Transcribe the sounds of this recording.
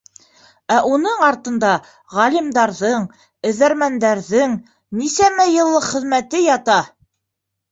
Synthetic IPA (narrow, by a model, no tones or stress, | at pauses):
æʔunɤɴɑɾt̪ɤ̆nd̪ɑ | ʁælʲimd̪ɑɾðɤɴ | ɘ̆ðæɾmænd̪æɾðɘŋ | nisæmæjɤ̆lˠːɤqχɘ̆ðmæt̪ɘjɑt̪ɑ